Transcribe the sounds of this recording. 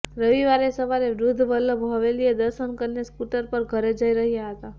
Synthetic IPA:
ɾəʋiʋaɾesəʋaɾeʋɾud̪ʱːʋəlːəbɦoʋelijed̪əɾsənkəɾneskuʈəɾpəɾɡʱəɾed͡ʒəiɾəɦijaɦət̪a

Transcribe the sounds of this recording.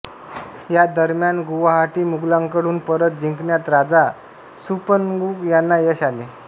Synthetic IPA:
jad̪əɾmjanɡuʋaɦaʈiːmuɡlãŋkəɽ̤uːnpəɾət̪̚d͡ʑiŋkɳjat̪ɾad͡za | supənɡuːkjanːajəɕale

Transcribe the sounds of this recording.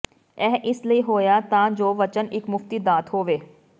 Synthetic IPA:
ɛːʔɪsləiːɦoːjaːt̪ãːd͡ʒoːʋət͡ʃənɪkmʊft̪iːd̪aːt̪hoːʋeː

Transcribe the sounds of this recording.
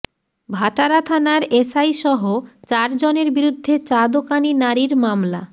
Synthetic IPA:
bʱaʈaɾat̪ʰanaɾesajʃɔɦot͡ɕaɾd͡ʑoneɾbiɾud̪ʱːet͡ɕad̪okaninaɾiɾmamla̰

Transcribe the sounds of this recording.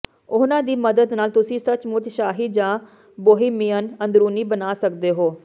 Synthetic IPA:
ʊnãːd̪iːməd̪əd̪naːlt̪ʊsĩːsət͡ʃmʊt̪ʃaːɦiːd͡ʒãː | boːɦiːmiːənə̃nd̪ɾuːniːbənaːsək̚d̪eːɦoː

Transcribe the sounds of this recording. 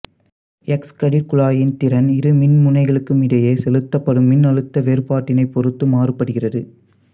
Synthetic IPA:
ɛkskɐɽiɾkʊɭaːjɪnt̪ɪɾɐnɪɾɯmɪnmʊnɐɪɣɐɭɯkːɯmɪɽɐjeːsɛlɯt̪ːɐpːɐɽɯmːɪnɐɻɯt̪ːɐʋeːɾɯpaːʈːɪnɐɪpːɔɾɯt̪ːɯmaːrɯpːɐɽɯɣɪrɐðɯ

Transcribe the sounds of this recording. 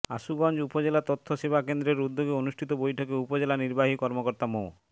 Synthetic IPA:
aʃuɡɔnd͡ʑupod͡ʑelat̪ot̪ʰːoʃebakend̪ɾeɾud̪ːoɡeonuʃʈʰit̪obojʈʰokeupod͡ʑelaniɾbaɦikɔɾmokoɾt̪amo

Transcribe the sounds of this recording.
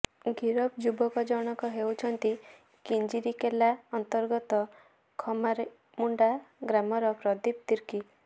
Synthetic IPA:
ɡiɾɔb̚d͡ʒubɔkɔd͡ʒɔɽ̃ɔkɔɦewt͡ʃʰɔnt̪i | kind͡ʒiɾikelaɔnt̪ɔɾɡɔt̪ɔ | kʰɔmaɾ | muɳɖaɡɾamɔɾɔpɾɔd̪ip̚t̪iɾki

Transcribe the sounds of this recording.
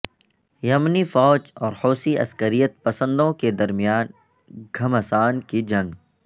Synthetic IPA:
jɐmnifɔːt͡ʃɔːɾhoːsiʔɐ̰skəɾijət̪̚pɐsə̃nd̪õked̪ɐɾmijaːn | ɡʱɐmɐsaːnkid͡ʒɐ̃ŋɡ

